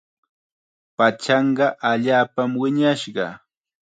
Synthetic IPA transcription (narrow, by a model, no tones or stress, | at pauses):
pat͡ʃɑɴɢɑʔaʎaːpamwɪɲaʃɢɑ̰